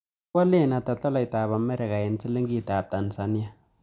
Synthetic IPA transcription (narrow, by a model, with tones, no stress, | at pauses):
wa˦le˦˨na˨ta˨tɔ˦la˨ɪ˨ta˨pa˨mɛ˦ɾɛ˨ka˨ɛ˨nsɪ˦le˦ŋɡi˦ta˨p̚ta˨nsa˨˦ni˦a˨